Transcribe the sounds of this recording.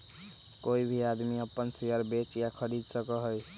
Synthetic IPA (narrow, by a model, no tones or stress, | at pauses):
koibʱiad̪miəpːənsejəɾbet͡ʃjakʰəɽid̪səkəɦəj